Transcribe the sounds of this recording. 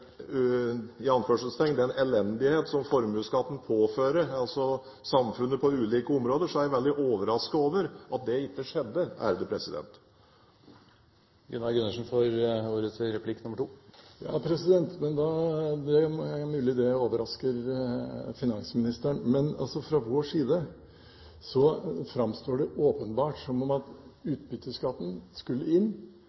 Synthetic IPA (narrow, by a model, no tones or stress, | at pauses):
ɪɑnføːʂəlst̪ʰɛŋːd̪ɛɛnʔɛlɛnd̪ɪheːt̪sɔmfɔɾmʉːskɑt̪ːən̩pʰoːføːɾəɾɑlsɔ | sɑmfʉnːəpʰɔʉːliːkəʊmɾoːd̪əʂɔæɾæʋɛld̪ɪʔoːʋəɾɑskəoːʋəɾɑt̪̚d̪ɛɪt̪ːəʂɛd̪ːəæ̰ːɾəd̪əpʰɾɛsɪd̪ɛ̰nt̪ | ɡɛnːɑlɡʉnːəʂnfɔɾuːɾət̪ʰɪɾɛpʰlɪkːnʊməʈʰuːjɑ̰ːpʰɾɛsɪd̪ɛnt̪mɛnd̪ɑd̪ɛmʉːlɪd̪ɛoːʋəɾɑskəɾ | fɪnɑŋsmɪnɪst̪əɳmɛnɑ̰lsɔfɾɑʋoːʂiːd̪ə | sɔfɾɑmst̪oːɖɛʔoːpənbɑːʈsɔmːɔmɑt̪ʉːt̪̚bʏt̪ːəskɑt̪ːnskʉlːəɪnː